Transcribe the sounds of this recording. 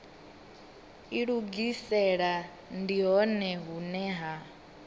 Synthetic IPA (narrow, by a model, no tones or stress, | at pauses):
iɺuɡisɛɺa | ndiɦɔnɛɦunɛɦa